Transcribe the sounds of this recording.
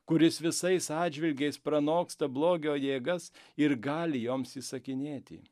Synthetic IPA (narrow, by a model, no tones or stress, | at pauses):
kʊɾʲɪsʋʲɪsɐɪsɑːd͡ʒʲʋʲɪlʲɡʲɛɪspɾɐnoːkst̪ɐblˠoːɡʲoːjeːɡɐsɪɾɡɑːlʲɪjoːmsiːsɐkʲɪnʲeːt̪ʲɪ̰